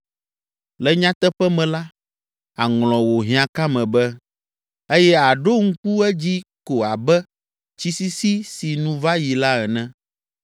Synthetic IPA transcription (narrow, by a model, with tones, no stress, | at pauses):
lɛ˨ɲã˦t̪ɛ˦ɸɛ˦mɛ̃˨la˦ | a˨ŋlɔ̃˨wo˨ɦĩ˨ã˨ka˦mɛ̃˨bɛ˦ | e˦jɛ˦a˨ɖo˦ŋ̩˦ku˦ɛ˦d͡ʑi˦ko˨a˨bɛ˦ | t͡ɕi˦si˦si˦si˨nũ˦va˦ji˨la˦ɛ˨nɛ̃˦